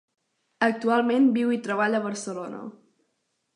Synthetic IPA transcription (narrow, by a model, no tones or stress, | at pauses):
ək̚t̪ualˠmenbiwit̪ɾəβ̞aʎəβ̞əɾsəlonə̰